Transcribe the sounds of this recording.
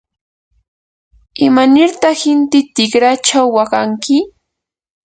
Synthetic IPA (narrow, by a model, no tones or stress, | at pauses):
ɪmanɪɾt̪ɑχhɪnt̪ɪt̪ɪkɾat͡ʃawːaɢaŋkɪ